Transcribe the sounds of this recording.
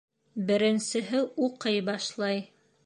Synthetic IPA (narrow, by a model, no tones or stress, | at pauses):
bɘ̆ɾɘ̆nsɘ̆ɦɘuqɤjbɑʃlˠɑj